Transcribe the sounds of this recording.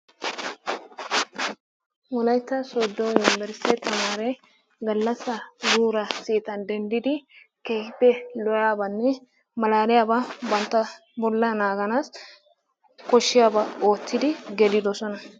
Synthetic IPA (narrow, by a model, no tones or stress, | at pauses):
wɔlɐjt̪ːɐsɔd̪ːojʊnɪbɛɾsɛt̪ɐmaːɾɛ | ɡɐlːɐsːɐd̪uːɾɐsiːt̪ɐnd̪ɛnd̪ɪd̪ɪ | kebɛlɔjaːbɐnːɛ | mɐlaːɾɪjababɐnt̪ːɐ | bɔlːɐnaːɡɐnaːs | kɔʃːɪjaːbɐoːt̪ːɪd̪ɪɡɛd̪ɪd̪ɔsɔnɐ